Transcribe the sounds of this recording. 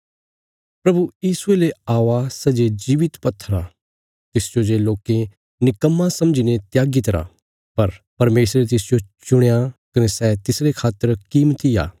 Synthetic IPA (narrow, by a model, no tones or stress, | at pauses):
pɾɐbujiːsueleaːʋasɛd͡ʒed͡ʒiːʋɪt̪pɐt̪ʰːəɾaː | t̪ɪsd͡ʒod͡ʒeloːkẽ | nɪkəmːãsɐ̃md͡ʒiːnẽt̪jaːɡit̪ɐɾa̰ː | pɐɾpɐɾmeːsɾet̪ɪsd͡ʒot͡ʃʊɽ̃jakɐnɛsɛːt̪ɪsɾekʰaːt̪ːəɾkiːmt̪ija̰ː